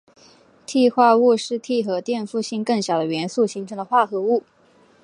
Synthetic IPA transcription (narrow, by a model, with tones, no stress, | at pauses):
t̪ʰi˥˧xwa˥˧u˥˧ʂɻ̩˥˧t̪ʰi˥˩xɤ˧˥t̪jɛ˥˧nfu˥˧ɕi˥˧ŋkɤ˥˩ŋɕjɑ˨˩ʊd̪ə˦ɥɛ˧˥nsu˥˩ɕi˧˥ŋʈ͡ʂʰɤ˧˥ŋd̪ə˧xwa˥˩xɤ˧˥u˥˩